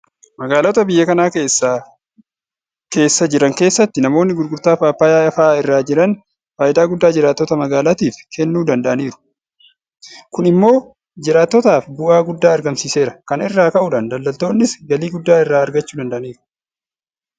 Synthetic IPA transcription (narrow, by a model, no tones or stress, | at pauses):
mɐɡaːlɔt̪ɐbɪjːɐkɐnaːkeːsːa | ke̞ːsːɐd͡ʒɪɾɐŋke̞ːsːɐt̪ːɪnɐmo̞ːnːɪɡʊd̪ɡʊɾt̪aːfaːpːaːjaːɐfaːɪrːaːd͡ʒɪɾɐn | faːjɪd̪aːɡʊd̪ːaːd͡ʒɪɾaːt̪ːɔt̪ɐmɐɡaːlat̪iːfkʰɛnːuːd̪ɐnd̪ɐʔɐniːɾʊ̥ | kʊnɪmːo̞ː | d͡ʒɪɾaːt̪ːɔt̪aːfbʊʔaːɡʊd̪ːaːɐɾɡɐmsiːse̞ːɾɐkɐnɪrːaːkɐʔʊᶑaːnd̪ɐlːɐlt̪o̞ːnːɪsɡɐliːɡʊd̪ːaːɪrːaːɐɾɡɐt͡ʃːuːd̪ɐnd̪ɐʔɐniːɾʊ̥